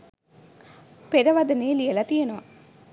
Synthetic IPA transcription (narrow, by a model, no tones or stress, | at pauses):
peɾɐʋɐd̪ɐneːlijelɐt̪ijenuʋɐ